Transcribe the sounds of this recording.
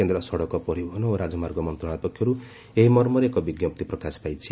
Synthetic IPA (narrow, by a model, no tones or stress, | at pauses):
kend̪rʌsʌɽʌkɔpʌɾibʱʌnoɾad͡zʌmarɡʌmʌnt̪rɔɽat̪ʌkʰːiɦʌɾu | eɦimʌrmʌɾekobiɡjʌp̚t̪iprʌkaspajt͡sʰi